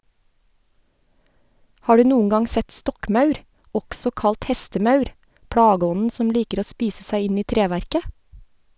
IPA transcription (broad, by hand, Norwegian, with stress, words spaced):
ˈhɑː ˈɖʉː ˈnuːəŋ ˈɡɑŋ ˈsɛt ˈstɔkˌmɑʉɾ ˈɔksɔ ˈkɑlt ˈhɛstəˌmɑʉɾ ˈpɽɑːˌɡɔnn̩ ˈsɔm ˈliːkəɾ ˈoː ˈspiːsə ˈsæɪ ˈɪn ˈiː ˈtɾeːʋæɾkə